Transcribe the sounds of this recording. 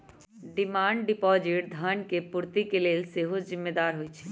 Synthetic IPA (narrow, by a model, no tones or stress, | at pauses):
ɖimaːɳɖɖipɔd͡ʒiʈ̚d̪ʱənkepuɾt̪ikeleːlseɦod͡ʒzɪmːed̪aːɾɦojt͡ʃʰɛ̥